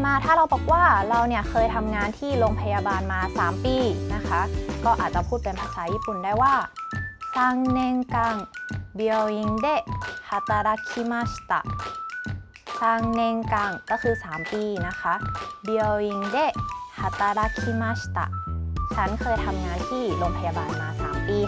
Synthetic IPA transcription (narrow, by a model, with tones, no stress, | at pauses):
maː˧t̪ʰaː˥˩ɾa˧wbɔ˨˩k̚waː˥˩ɾa˧wni˥˩ɐkʰɤː˧jt̪ʰa˧mŋaː˧nt̪ʰiː˥˩loː˧ŋpʰa˧jaː˧baː˧nmaː˧saː˩˦mpiː˧na˦˥kʰa˦˥kɔː˥˩ʔa̰ː˨˩t̪̚t͡ɕa˨˩pʰuː˥˩t̪̚pe˧npʰaː˧saː˩˦jiː˥˩pu˨˩ndaː˥˩jwaː˥˩kaː˧ŋne˧ŋka˧˩ŋbi˧wi˧ŋdeː˥˩ha˨˩t̪a˧ɾa˦˧˥kʰi˧˥ma˦˥st̪a̰˨˩ʔ | kaː˧ŋne˧ŋkaː˧˩ŋkɔː˥˩kʰɯː˧saː˩˦mpiː˧na˦˥kʰa˦˥ʔbi˧i˧ŋdeː˥˩ha˨˩t̪a˧ɾa˦˧˥kʰi˧˥ma˦˥st̪a̰˨˩ʔt͡ɕʰa˦˥nkʰɤː˧jt̪ʰa˧mŋaː˧nt̪ʰiː˥˩loː˧ŋpʰa˧jaː˧baː˧nmaː˧sa̰ː˩˦mpiː˧